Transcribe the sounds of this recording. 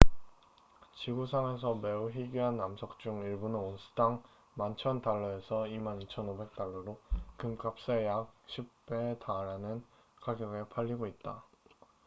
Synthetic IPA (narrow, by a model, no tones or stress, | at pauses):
t͡ɕiɡusʰaŋe̞s̬ʰʌme̞uɦiɡiɦanːamsʰʌk̚t͡ɕ͈uŋiɭbunɯnonsʰɯ̥daŋ | mant͡ɕʰʌntaɭːʌe̞sʰʌimanit͡ɕʰʌnobe̞k̚t͈aɭːʌɾokɯmk͈ap̚s͈ejak̚ɕʰip̚p͈etaɾɦanɯn | kaɡjʌɡe̞pʰaʎːiɡoit̚t͈a